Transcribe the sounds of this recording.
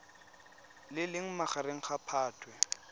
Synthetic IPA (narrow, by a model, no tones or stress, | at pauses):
lɪlɪŋ̩maχaɾeŋ̩χapʰaːtʰwɛ